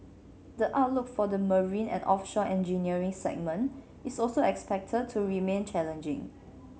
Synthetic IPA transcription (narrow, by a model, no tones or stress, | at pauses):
dəʔaʊt̚lʊkfɔdəməɹĩnɛ̰̃nʔɔfʃɔʔɛ̃nd͡ʒiniəɹĩŋsɛ̰k̚mə̃n | isɔlsoɛkspɛk̚tʰəd̚tʰːuɹimẽnt͡ʃɛlə̃nd͡ʒɪ̰̃ŋ